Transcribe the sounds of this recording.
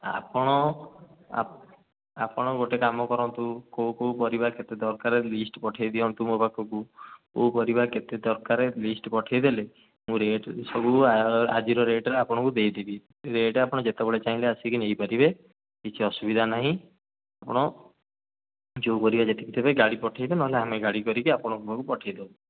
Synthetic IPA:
a̰pɔɽ̃ɔ | a̰ | apɔɽ̃ɔɡoʈekamɔkɔɾɔnt̪ukowkowpɔɾibaket̪ed̪ɔɾkaɾelisʈpɔʈʰajd̪iɔnt̪umupakʰɔkukowpɔɾibaket̪ed̪ɔɾkaɾelisʈpɔʈʰajd̪ele | mũɾeʈsɔbʱua̰d͡ʒiɾɔɾeʈɾeapɔɽ̃ɔkud̪ejd̪ebi | ɾeʈapɔɽ̃ɔd͡ʒet̪ebeɭet͡ʃaɦĩleasikinejpaɾibe | kit͡ʃʰiɔsubid̪ʱanaɦĩ | apɔɽ̃ɔ | d͡ʒowpɔɾibad͡ʒet̪e̥kit̪ʰebeɡaɽipɔʈʰajbenɔɦeleameɡaɽikɔɾikiapɔɽ̃ɔkupakupɔʈʰajd̪ew

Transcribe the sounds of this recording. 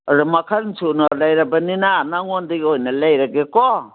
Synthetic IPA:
ɾemakʰaɾntʰunalajɾabaninanaŋɔndiɡɔjnalajɾaɡekɔ

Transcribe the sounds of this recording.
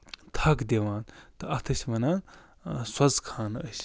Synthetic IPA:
t̪ʰɐkd̪eʋaːnt̪ɨɐt̪ʰɐsʲʋɐnaːn | swɐzkʰaːnə̰s

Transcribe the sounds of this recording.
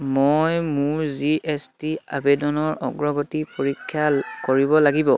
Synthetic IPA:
mojmʊɹziʔestia̰bedɔnɔɹɔ̰ɡɹɔɡotipoɹikʰːjakoɹibɔlaɡibɔ

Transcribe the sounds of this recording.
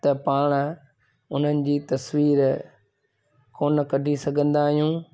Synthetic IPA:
t̪ɐpaːɽ̃ | ʊn̤ənɪ̆d͡ʑiːt̪ɐsʋiːɾ | koːnkɐɖʱisɐɡʱə̃nd̪aːɦijũː

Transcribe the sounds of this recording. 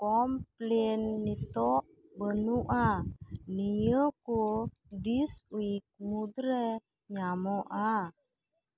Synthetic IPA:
kɔmplɛnːit̪ɔʔ | bənuʔanijəku | diswik̚mudɾɛ | ɲamɔʔa

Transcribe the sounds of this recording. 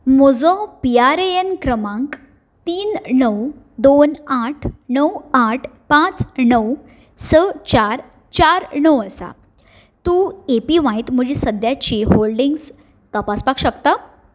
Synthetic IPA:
mɔd͡zɔ̃piaɾeenkɾəmãŋk | t̪iːnnəw | d̪onaʈʰnəwaʈʰpãt͡snəw | sət͡ɕaɾ | t͡ɕaɾnəwəsa̰ | t̪uepiʋãjt̪m̤əd͡ʑiːsəd̪jat͡ɕiːɦolɖiŋɡs | t̪əpaspakɕəkt̪a

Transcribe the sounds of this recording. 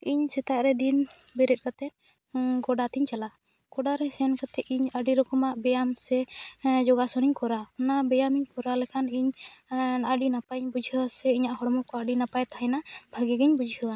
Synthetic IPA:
iɲsɛt̪aʔɾɛd̪inbɛɾɛt̪̚ˀkat̪ɛt̪̚ | ɡɔɖat̪iɲt͡ʃala | ɡ̥ɔɖaɾɛsɛnkat̪ɛʔiɲəɖiɾɔkɔmaʔbɛjamsɛd͡ʒɔɡasɔniɲkɔɾaknabɛjamiɲkɔɾalɛkʰaniɲnaɖinapaɲbud͡ʒʱiɦəwasɛiɲaʔɦɔɽɔmɔkɔaɖinapajt̪aɦɛnabʱaɡɛɡɛɲbud͡ʒʱiɦəwa

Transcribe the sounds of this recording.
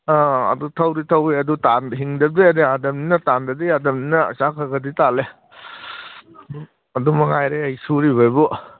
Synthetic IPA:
aɐ̰dutʰɐwɾitʰɐwɾiɐdutanɦiŋdɐb̚deɐdiadɐmninɐtandɐdiadɐmninɐ̰sakʰɐɡɐditale | ɐdumɐŋajɾeɐjsuɾiβajbɔ

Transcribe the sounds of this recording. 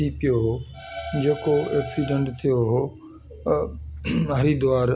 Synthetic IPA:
ipɪjoɦo | d͡ʑeːkoeːksiːɖə̃ɳʈt̪ʰijoɦo | ɦɐɾid̪oaːɾ

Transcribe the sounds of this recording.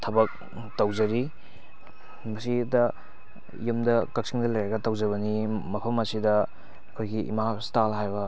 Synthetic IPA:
tʰɐbɐk̚ | tɐwzɐɾi | mɐsidɐ̰ | jumdɐkɐk̚siŋdɐlɐjɾɐɡɐtɐwzɐβɐnimɐpʰɐmɐsidɐ | kʰojɡiʔḭmastalɦajbɐ

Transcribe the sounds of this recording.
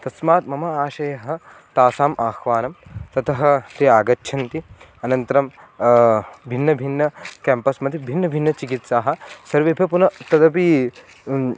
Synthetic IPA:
t̪ɐsmaːt̪mɐmɐaːʃɐjɐɦɐ̆ | t̪aːsaːmʔaːxʋaːnɐmt̪ɐt̪ʰɐɦɐt̪eaːɡɐtːʃʰɐnt̪i | ɐnɐnt̪ɐɾɐm | bʱinːɐbʱinːɐkɛːmpɐsmɐt̪ibʱinːɐbʱinːɐt͡ʃikit̪saːɦɐ̆sɐɾʋebʱɐpunɐt̪ɐd̪ɐpi

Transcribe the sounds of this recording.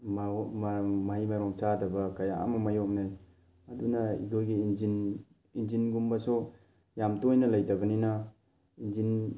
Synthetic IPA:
mmmaɦimaɾɔŋt͡ʃadɐbɐkaja̰a̰mɐmajɔk̚naj | ɐdunaḭɡojɡiːnzin | inzinɡumbɐso | jamtojnɐlɐjdɐbɐnina | inzin

